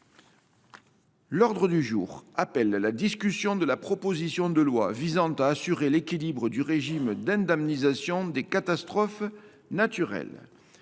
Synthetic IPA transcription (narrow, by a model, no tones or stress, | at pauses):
lɔʁd̪ʁəd̪yʒṵːʁapɛlːad̪iskʲysjɔ̃d̪əlapχɔpozisjɔ̃d̪əlwa̰vizɑ̃t̪aːsyʁelekʲilibʁəd̪yʁeʒimd̪ɛ̃d̪ɛmnizasjɔ̃d̪ekat̪ast̪χɔf | nat̪yʁɛ̰l